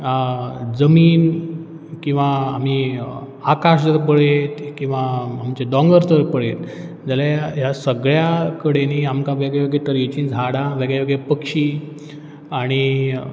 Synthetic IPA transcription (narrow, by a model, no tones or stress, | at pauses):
d͡zəmiːn | kĩw̃ʋaːm̤i | akaɕd͡zəɾpəɭet̪kĩw̃ʋaːmt͡ɕeɖɔ̃ŋɡəɾd͡zəɾpəɭet̪̚ | d͡zaljaɦjasəɡɭjakəɽeniamkaʋeɡɭjaʋeɡɭet̪əɾit͡ɕiːnd͡zʱaɽaʋeɡɭjaʋeɡɭepəkʂiː | aɽ̃i